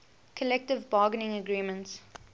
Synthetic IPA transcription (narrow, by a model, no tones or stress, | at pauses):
kʰəlɛk̚tɪvbɑːɡənɪ̃ŋəɡɹiːmə̃nts